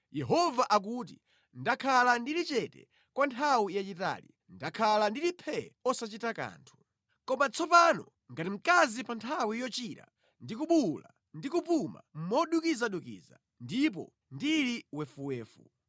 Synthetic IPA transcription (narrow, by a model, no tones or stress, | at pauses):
jɛɦɔvaʔak̬ut̬i | ndakʰalandilit͡ʃɛtɛ̰ | kwantʰawijat͡ʃita̰ːli | ndakʰalandilipʰɛɔsat͡ʃitaka̰ːntʰu̥ | kɔmat͡sʰɔpanɔ | ŋɡatim̩kazipantʰawijɔt͡ʃiɾa̰ | ndikuɓula̰ | ndikupuma̰m̩mɔɗukizaɗukḭːza̰ | ndip̬ɔ̰ | ndiliwɛfuwɛːfṵ